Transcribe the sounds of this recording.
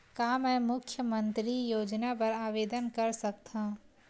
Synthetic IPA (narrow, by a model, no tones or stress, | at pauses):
kaːmɛ̃ːmʊkʰjəmə̃nt̪ɾijoːd͡ʒnap̬ɐɾaːʋeːd̪ənkɐɾsɐk̚t̪ã